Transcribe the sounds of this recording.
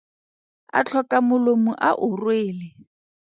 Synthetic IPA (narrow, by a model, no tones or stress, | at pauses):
a̰t͡ɬʰɔkʼamʊlomuʔaʔʊrweːlɪ